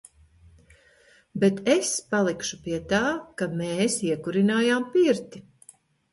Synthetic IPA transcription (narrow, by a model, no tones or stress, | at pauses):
bɛt̪espalˠikʃupiɛt̪aːkameːsiɛkuɾinaːjaːmpiɾt̪i